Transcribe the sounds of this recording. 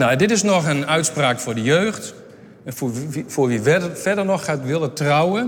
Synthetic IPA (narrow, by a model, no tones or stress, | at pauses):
naɛndɪtɪsnɔxənœɥtspraːkfʊːdəjøːxt | nffʊːrʋiʋɛdəfɛdərnɔxːatʋɪlˠətrawə